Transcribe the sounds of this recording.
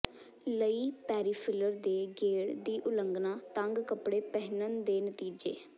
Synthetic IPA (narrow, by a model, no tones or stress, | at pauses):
ləiːpɛːɾiːpʰɪləɾd̪eːɡeːɽd̪iːʔʊləŋɡnaːt̪əŋɡkəpɽeːpɛɦnənd̪eːnət̪iːd͡ʒḛː